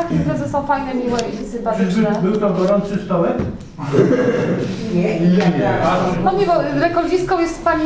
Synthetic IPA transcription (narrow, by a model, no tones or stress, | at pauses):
akʲizɾazɛsɔ̃w̃fajnɛmʲiwɛisɨ̃mpat̪t͡ʂnɛbɘwt̪ɔɡɔɾɔnt̪ʂɨst̪ɔlɛt | ɲɛiɛɛanɔɲɛvɔɾɛkɔld͡ʑʲiskɔ̃w̃jɛst̪paɲi